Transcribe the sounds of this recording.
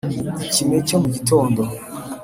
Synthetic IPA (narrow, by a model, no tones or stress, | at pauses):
it͡ʃimet͡ʃomuɡitoːndo